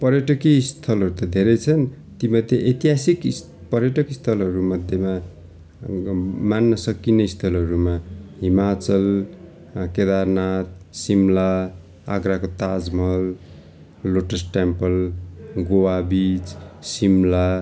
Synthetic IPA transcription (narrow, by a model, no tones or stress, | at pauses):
pʌɾjʌʈʌkist̪ʰʌlɦʌɾut̪ʌd̪ʱeɾʌjt͡sʰʌn | t̪imʌd̪ʱːjeʔʌjt̪iɦasik | pʌɾjʌʈʌkist̪ʰʌlɦʌɾumʌd̪ʱjema | manːʌsʌkineist̪ʰʌlɦʌɾumaɦimat͡sʌl | ked̪aɾnat̪̚simla | a̰ɡɾakot̪ad͡zmʌlː | oʈʌsʈempʌlɡowabit͡ssimla